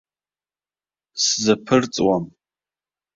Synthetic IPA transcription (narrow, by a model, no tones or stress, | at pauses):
szapʰɨrt͡sʼwam